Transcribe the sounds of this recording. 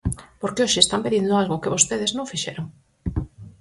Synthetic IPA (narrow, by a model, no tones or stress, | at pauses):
poɾkeoʃɪːst̪ampeðind̪ʊalɣʊkeβost̪eðeznõŋfiʃɛ̰ɾoŋ